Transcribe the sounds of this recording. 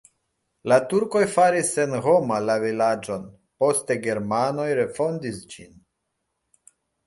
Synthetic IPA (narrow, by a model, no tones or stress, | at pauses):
latuɾko̞jfaɾise̞nho̞malavilad͡ʒo̞n | po̞ste̞ɡe̞ɾmano̞jɾe̞fo̞ndisd͡ʒḭn